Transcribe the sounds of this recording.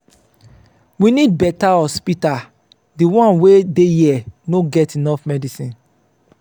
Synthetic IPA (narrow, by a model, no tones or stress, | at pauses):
winid̚bɛtaɔspita | diwɔ̃nwedejɛnoɡɛtinɔfmɛdisĩn